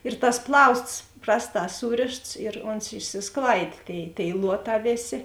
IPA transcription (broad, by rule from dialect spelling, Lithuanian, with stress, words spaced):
ɪr tɐs ˈplˠɐʊsts ˈprɑːsˌtɑː ˈsuːrʲeːʃts ɪr ˈoːns ɪʃʲsʲɪsˈklˠɐɪdʲeː ˈtʲeːɪ tʲeːɪ ˈlˠuɔˌtɑː ˈʋʲeːˌsʲeː